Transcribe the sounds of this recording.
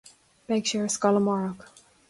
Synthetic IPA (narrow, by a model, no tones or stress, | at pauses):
meɪkʃʊɹə̥skɑlˠəmɑɹək